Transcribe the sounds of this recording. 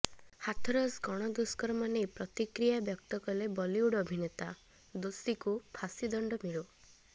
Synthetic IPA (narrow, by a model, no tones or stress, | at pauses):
hat̪ʰɔɾɔsɡɔɽ̃ɔd̪uskɔɾɔmanepɾɔt̪ikɾijabjɔk̚t̪ɔkɔlebɔliuɽɔbʱinet̪a | d̪usikupʰasid̪ɔɳɖɔmiɭo